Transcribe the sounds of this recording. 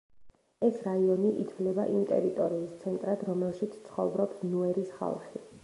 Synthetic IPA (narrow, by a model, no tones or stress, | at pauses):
ɛsɾaiɔniʔit̪ʰvlɛbaʔimt̪ʼɛ̰ɾit̪ʼɔɾiːst̪sʰɛnt̪ʼɾad̪ɾɔmɛlˠʃit̪sʰt̪sʰχɔ̰bɾɔpsnuɛɾisχa̰lˠχi